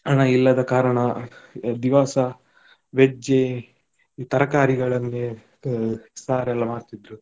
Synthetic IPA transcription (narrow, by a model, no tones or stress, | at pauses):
ɐnɐilːɐd̪ɐkaːɾɐɳɐ | d̪iʋaːsɐ | ʋed͡ʒe | t̪ɐɾɐkaːɾiɡɐɭɐnːe | saːɾɛlːɐmaːɾt̪id̪ɾu